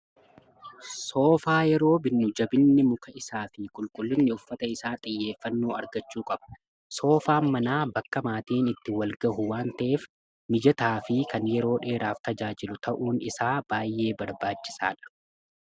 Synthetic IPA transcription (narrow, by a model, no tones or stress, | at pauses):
so̞ːfaːjɛɾo̞ːbɪnːʊd͡ʒɐbɪnːɪmʊkɐɪsaːfɪkʼʊlkʼʊlːɪnːɪʊfːɐt̪ɐɪsaːt̪ʼɪjːe̞ːfːɐnːoːɐɾɡɐt͡ʃːuːkʼɐb̥ɐ̥ | so̞ːfaːnmɐnaːbɐkːɐmaːt̪iːnɪt̪ːɪwɐlɡɐhʊwaːnt̪ɐʔeːf | mɪd͡ʒɐt̪aːfɪkɐnjɛɾo̞ːᶑe̞ːɾaːft̪ɐd͡ʒaːd͡ʒɪlʊt̪ʰɐʔuːnɪsaːb̥aːjːe̞ːbɐɾbaːt͡ʃːɪ̥sa̰ːᶑɐ̥